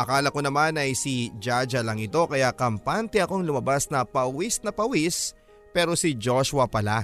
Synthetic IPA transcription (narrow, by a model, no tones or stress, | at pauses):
ʔɐkaːlɐko̞nɐmanɐjsid͡ʒad͡ʒɐlɐŋɪt̪o̞kɐjakɐmpant̪ɛɐkoŋlʊmɐbasnɐpɐwisnɐpɐwis | pɛːɾo̞sid͡ʒoʃʊwɐpɐla